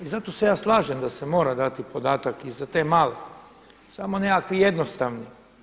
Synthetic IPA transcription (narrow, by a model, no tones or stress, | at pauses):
izat̪ose̞jaːslˠaːʒemd̪asemo̞ːɾad̪at̪ipo̞d̪aːt̪akizat̪e̞ːmaːle | samo̞nekakʋijed̪nost̪aʋni